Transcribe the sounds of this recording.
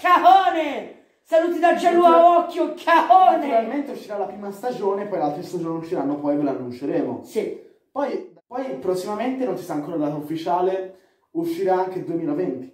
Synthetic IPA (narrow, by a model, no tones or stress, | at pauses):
kaoːne | saluːt̪id̪at͡ʃːeluaɔkːjokʰaoːnteɾalment̪euʃːiɾalapɾiːmast̪ad͡ʒoːnepɔjlalt̪ɾest̪ad͡ʒoːneuʃːiɾanːopɔjvelanːunt͡ʃeɾeːmo̰si | pɔjpɔjpɾosːimament̪enõnt͡ʃisɾaŋkoːɾad̪aːt̪oufːit͡ʃaːle | uʃːiɾaaŋk̟ed̪uemiːlavɛnt̪i̥